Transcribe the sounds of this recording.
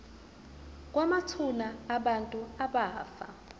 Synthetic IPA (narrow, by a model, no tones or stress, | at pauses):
k̬ʼwamatʰunaːɓantʼuaɓaːfa̰